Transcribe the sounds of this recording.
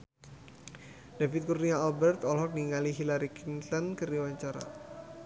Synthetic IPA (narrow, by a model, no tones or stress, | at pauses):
d̥afit̪̚kurniaalbɛrt̪ɔlɦɔk̚niŋaliɦilaɾikinsənkərdiwaɲt͡ʃaɾa̰